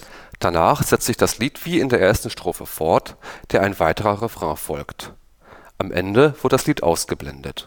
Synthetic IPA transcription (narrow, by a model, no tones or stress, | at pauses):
d̥anaːχz̥ɛt͡stzɪçd̥asliːtv̥iːɪndeːɐʔeːɐstn̩ʃtʁ̥oːfə̰fɔɐtd̥eːɐaɪnvaɪtəʁɐʁɛfʁ̥ɑ̃fɔlkt | ʔamʔɛ̰ndəv̥ʊɐdədasliːtʔa̰ʊsɡ̥əblɛ̰ndə̰t